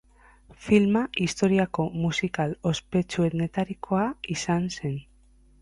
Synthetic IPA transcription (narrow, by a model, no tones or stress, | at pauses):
filmaʔist̪o̞ɾiako̞musikalo̞spe̞t͡ʃue̞ðne̞t̪aɾikʰo̞aisanse̞n